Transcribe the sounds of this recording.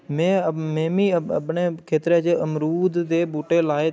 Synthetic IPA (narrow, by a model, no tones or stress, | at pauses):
mẽːəmẽːmĩːəəpneːkʰeːt̪ɾeːt͡ʃeəmɾuːd̪d̪eːbuːʈeːlaːe